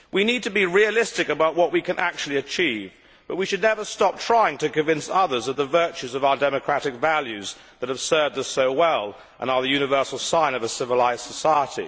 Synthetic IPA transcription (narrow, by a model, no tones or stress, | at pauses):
winid̚tʰɨbiɹiɨlɪstɨkɨbaʊʔ̚wʌʔ̚wikɨ̃nʔæ̰k̚t͡ʃʉl̩ˠiɨt͡ʃʰiv | b̥ʌt̚wiʃɨdⁿnɛvə˞stɑp̚tʰɹ̥aɪɪ̃ŋtʰɨkɨ̃ɱvɪ̃nsʌðə˞zðəðəvɜ˞t͡ʃʉzʌvaʊə˞dɛmɨkʰɹ̥æɾɨkvælˠjʉz | ðɨt̚hɨv̥sɜ˞vd̪ʌsoʊwɛlˠ | ʔə̰̃nəðɨjʉnɨvɜ˞sl̩ˠsãɪ̃nʌvəsɪvəlaɪz̥səsaɪəɾḭ